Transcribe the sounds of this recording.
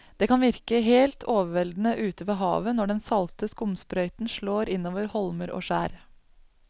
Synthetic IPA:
d̪̥eːkɑnʋɪɾkəɦeːlt̪ʰoːʋəʋɛld̪n̩əʔʉːt̪əʋeːɦɑ̰ːʋənɔɖɛnsɑlt̪əskʊmspɾœʏt̪n̩ʃɭoːɾɪnoːʋəɾhɔlməɾʔo̰ːʂæ̰ːɾ

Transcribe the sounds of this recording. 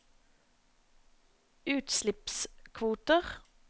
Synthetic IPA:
ʉːt̪slɪpskʰʋuːt̪əʁ

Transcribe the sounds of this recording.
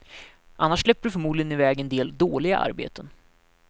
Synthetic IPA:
ʔanːaʂːɭɛpːəɾɖɵfœɾmuːd̪ɪɡənɪvɛːɡɛnd̪eːld̪oːlɪɡa̰ʔa̰ɾbḛːt̪ən

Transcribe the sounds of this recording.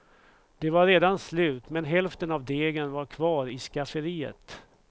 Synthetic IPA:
d̪̥ɛvaɾːeːd̪anslʉ̟ːt̪mɛnɦɛlft̪ənavd̪eːɡənvaɾkʰvɑːɾɪskafəɾiːə̰t̪

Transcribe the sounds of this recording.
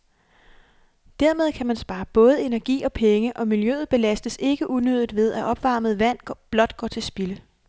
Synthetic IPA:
d̥æɐ̰með̞ˠkʰæmænsb̥ɑ̈ːb̥ɔ̽ːð̞̩ˠe̝næɐɡ̥ḭːɒ̽pʰeŋəʔɒ̽miljø̰ːð̩ˠb̥e̝læsd̥əse̝ɡ̥əʔunøð̞ˠd̥ˠʋe̝ð̞ˠæʔɒ̽b̥ʋɑ̈məð̩ˠʋæn̰b̥lɒ̽d̥ɡ̥ɒ̰ːt͡sʰe̝lsb̥ilə

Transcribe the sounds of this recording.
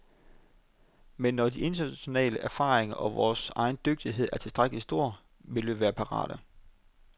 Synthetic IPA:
menːɒd̥iʔe̝nt͡sʰɐnæɕo̝nɛ̰ːləʔæɐfɑ̈ːʁeŋɐʔɒ̽ʋɒːsɑ̈ɪn̩d̥øɡ̥̚d̥iɦe̝ð̞̰ˠʔæɐt͡sʰe̝lsd̥ʁaɡ̥əlisd̥o̝ɐ̰ | ʋe̝lʋæːɐpʰɑ̈ʁɑ̰̈ːɾ̥ə

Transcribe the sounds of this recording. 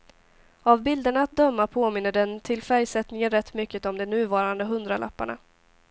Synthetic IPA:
avbɪld̪əɳaːt̪̚d̪œmːapʰoːmɪnːəɖɛnt̪ʰɪlfæɾjsɛt̪nɪŋənɾɛt̪ːmʏkːət̪ɔmd̪ɛnʉ̟ːvɑːɾand̪əɦɵnd̪ɾala̰pːaɳa̰

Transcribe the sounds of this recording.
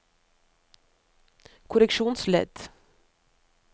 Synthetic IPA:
kʰʊɾɛkʃuːnslɛ̰d̪̥

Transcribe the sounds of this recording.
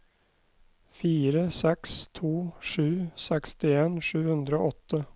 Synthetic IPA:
fiːɾəsɛkst̪ʰuːʂʉːsɛkst̪ɪeːnʂʉːhʉnd̪ɾəo̰ːɔt̪ʰːə

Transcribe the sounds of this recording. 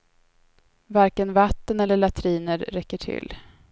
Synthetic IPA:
vaɾkənvat̪ːənɛlːəɭat̪ʰɾiːnəɾːɛkːəʈʰɪ̰lː

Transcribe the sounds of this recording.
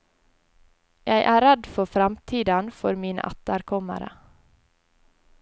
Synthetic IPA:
jæɪʔæːɾɛd̪fɔfɾɑmt̪ʰiːd̪ɑnfɔɾmiːnə̰ʔæt̪əɾkʰɔmə̰ɾə̰

